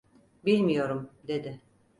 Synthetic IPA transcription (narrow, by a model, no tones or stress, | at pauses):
bilʲmijo̞ɾumd̪e̞d̪ɪ